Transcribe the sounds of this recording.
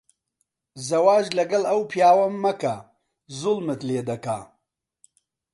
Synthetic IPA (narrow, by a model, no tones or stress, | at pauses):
zɐwaːʒlɐɡɐlɐwpʰjaːwɐmːɐkɐ | zʊlmɨt̪leːd̪ɐka̰ː